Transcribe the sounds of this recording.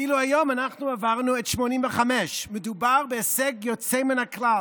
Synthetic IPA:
iluhajomanaχnuavaʁnuetʃmonimvəχamɛʃmedubaʁbeɛsɛɡjot͡semɪnakla

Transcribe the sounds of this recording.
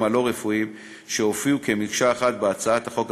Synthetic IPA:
malo̞ʁefuim | ʃeofiuke̞mikʃaːχat̪̚beat͡saat̪haχo̞k

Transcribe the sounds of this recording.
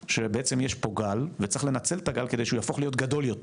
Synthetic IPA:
ʃebeet͡se̞mjeʃpo̞ɡalvet͡sʁiχle̞nat͡selt̪aɡalkede̞jʃujafo̞χlijo̞tɡad̪o̞ljot

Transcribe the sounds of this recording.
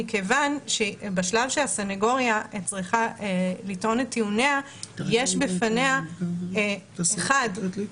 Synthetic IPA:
ikevanʃebaʃlavʃeasaneɡo̞ʁjat͡sʁiχalitʔo̞net̪ːiunea | jeʃbefanea | χad

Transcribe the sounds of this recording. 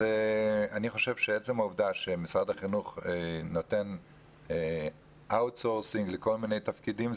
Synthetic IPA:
eaniχo̞ʃevʃeet͡semauvd̪aʃemisʁad̪aχinuχenot̪en | ʔawtsoʁsiŋɡleko̞lminejt̪afkidim

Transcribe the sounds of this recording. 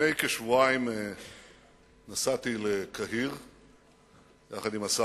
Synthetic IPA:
ejkeʃvuaime | nasat̪ilekʰaɦiʁ | jaχad̪imasa

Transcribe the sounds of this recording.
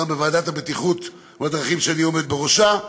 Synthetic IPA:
ambevaːd̪at̪habet̪iχut̪ | vad̪ʁaχimʃeanio̞me̞d̪̚beʁo̞ʃa

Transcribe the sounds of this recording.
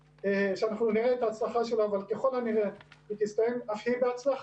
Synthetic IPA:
eʃeanaχnuniʁeːt̪aːt͡slaχaʃe̞loavalkeχo̞laniʁevet̪ist̪ajemafhibeat͡slaχ

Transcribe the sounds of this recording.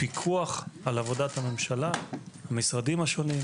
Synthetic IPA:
pikʰuaχalavo̞dathame̞mʃalahamisʁadimaʃo̞nim

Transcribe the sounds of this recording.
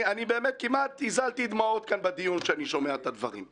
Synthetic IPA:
anibeːmet̪̚kimʔat̪izalt̪id̪mao̞t̪̚kanbed̪ijunʃeaniʃo̞meat̪ad̪vaʁḭm

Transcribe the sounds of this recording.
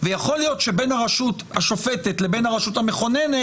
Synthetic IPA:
vejaχo̞lijo̞t̪ʃe̞benhaʁaʃut̪haʃo̞fetet̪le̞be̞nhaʁaʃuthameχo̞nene

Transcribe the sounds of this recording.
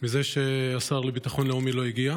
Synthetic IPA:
mize̞ʃe̞asaʁlebitaχo̞nleumilo̞iɡia

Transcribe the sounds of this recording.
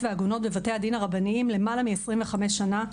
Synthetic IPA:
veaɡuno̞tbevate̞ad̪inaʁabaniimle̞malamiesʁimveχame̞ʃana

